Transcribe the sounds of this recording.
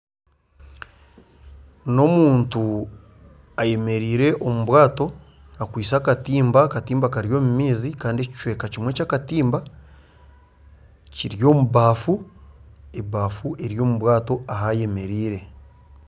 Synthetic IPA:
no̞muːntu | aje̞me̞ɾiːɾe̞ʔo̞muβwaːto̞ | akwiːsaːkatiːmbakatiːmbakaɾjo̞ːmumiːzikaːndeci̥t͡ʃwe̞ːkacimwe̞ːcaːkatiːmba | ciɾjo̞ːmuβaːfu | eβaːfuʔe̞ɾjo̞ːmuβwaːto̞aɦaje̞me̞ɾiːɾe̞

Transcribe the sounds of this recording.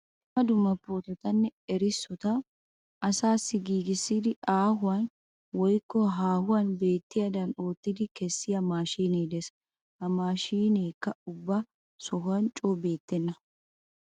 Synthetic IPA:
mɐd̪ʊmːɐpːoːt̪ɐt̪ɐnːɪɛɾɪsːʊt̪a | ʔɐsaːsːɪɡiːɡɪsid̪ɪʔaːɦʊɐn | wɔjkːɔɦaːhʊwɐnbe̞ːt̪ːɪɐd̪ɐnoːt̪ːɪd̪ɪkɛsːɪɐmaːʃiːneːd̪ɛs | ʔɐmaːʃiːneːkːɐʊbːɐ | sɔɦɐnt͡ʃʼoːbe̞ːt̪ːɛnːɐ

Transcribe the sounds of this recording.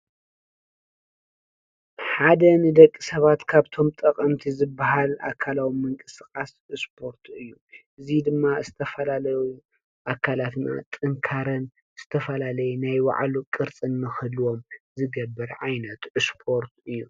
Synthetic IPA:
ħad̪ɐnɨd̪ɐkʼːisɐβat̪kʰaβt̪ʰo̞mt̪ʼɐkʼɐmt̪ʰizɨbːaɦala̰kʰalawimɨŋkʼɨsɨxʼas | ɨspʰo̞ɾt̪ʰɨjːuʔɨzid̪ɨmːazɨt̪ʰɐfɐlalɐju | ʔakʰalat̪na̰t̪ʼɨŋkʰaɾɐn | z̥ɨt̪ʰɐfɐlalɐjunajwa̰ʕlukʼɨɾt͡sʼɨnːɨxɨlwo̞mzɨɡɐbːɐɾʕajnɐt̪ɨspʰo̞ɾt̪ɨjːu

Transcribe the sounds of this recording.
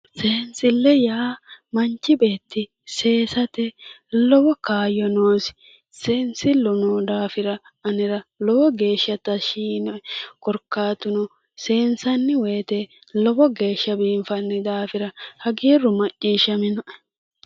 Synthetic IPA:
se̞ːnsɪlːɛjaːmɐnt͡ʃːɪbe̞ːt̪ːɪ | se̞ːsɐt̪ɛlɔbɔkaːjɔnoːsɪ̥ | seːnsɪlʊnoːd̪aːfɪɾɐ | ɐnɪɾɐlɔbɔɡe̞ːʃːɐt̪ɐʃiːnɔkɔɾkːaːt̪ʊnɔ | se̞ːnsɐnːɪweːt̪ɛ | lɔbɔɡe̞ːʃːɐbiːɱfɐnːɪd̪aːfɪɾɐhɐɡiːrːʊmɐt͡ʃʼːiːʃːɐmɪnɔ

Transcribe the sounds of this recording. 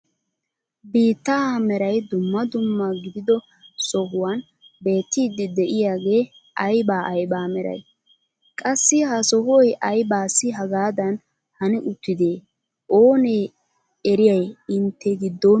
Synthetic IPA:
biːt̪ːɐamɛɾɐjd̪ʊmːɐd̪ʊmːɐɡɪd̪ɪd̪ɔ | sɔɦʊwɐn | be̞ːt̪ːiːd̪ːɪd̪ɛʔɪjaːɡe̞ː | ʔɐjbaːʔɐjbaːmɛɾɐ̰j | kʼɐsːɪhɐsɔhɔjʔɐjbaːsːɪɦɐɡaːd̪ɐn | hɐnɪʔʊt̪ːɪd̪eː | ʔoːneː | ɛɾɪjɐjɪnt̪ʰːɛɡɪd̪ːoː

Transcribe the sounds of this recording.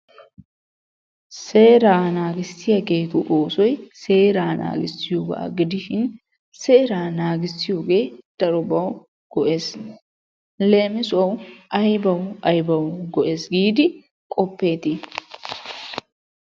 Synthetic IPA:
se̞ːɾaːnaːɡɪsːɪjɐɡeːt̪ʊʔoːsɔjse̞ːɾaːna̰ːɡɪsːɪjoːɡɐ̰ʔɐ̰ɡɪd̪ɪʃɪn | seːɾaːnaːɡɪsːɪjo̞ːɡe̞ːd̪̥ɐɾɔbɐw | ɡ̥ɔʔe̞ːs | le̞ːmɪsɔwʔɐjbɐwɐjbɐwɡɔʔeːsɡiːd̪ɪ | kʼɔpːe̞ːt̪ɪ

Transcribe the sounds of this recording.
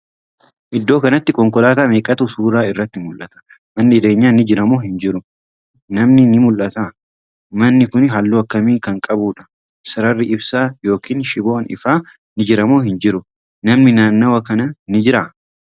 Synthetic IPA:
ʔɪd̪ːo̞ːkɐnɐt̪ːɪkɔŋkɔlaːt̪aːmeːkʼɐt̪usuːɾaːɪrːɐt̪ːɪmʊlʔɐt̪ɐ̥ | mɐnːɪɪd̪eːɲːaːnɪd͡ʒɪɾɐmoːhɪnd͡ʒɪɾʊ | nɐmnɪnɪmʊlʔɐt̪a | mɐnːɪkʊnɦɐlːuːɐkːɐmiːkɐŋkʼɐbuːᶑɐ | sɐɾɐrːɪʔɪbsaːjo̞ːkiːnʃɪboːnɪ̰faː | nɪd͡ʒɪɾɐmoːhɪnd͡ʒɪɾʊ | nɐmnɪnaːnːɐwɐkɐnɐnɪd͡ʒɪɾa

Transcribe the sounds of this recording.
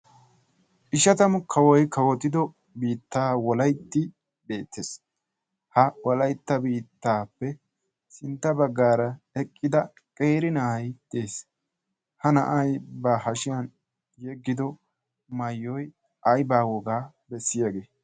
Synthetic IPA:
ʔɪʃɐt̪ɐmʊkʰɐwɔjkɐwɔt̪ɪd̪ɔ | biːt̪ːaːwɔlɐjt̪ːɪ | be̞ːt̪ːe̞ːs | hɐwɔlɐjt̪ːɐbiːt̪ːaːpːɛ | sɪnt̪ːɐbɐɡːaːɾɐ | ɛkʼːɪd̪ɐ | kʼeːɾɪnɐɐjt̪eːs | hɐnɐʔɐjbaːhɐʃɪjɐn | jɛɡːɪd̪ɔ | mɐjːɔj | ʔɐjbaːwɔɡaː | bɛsːɪjɐɡeː

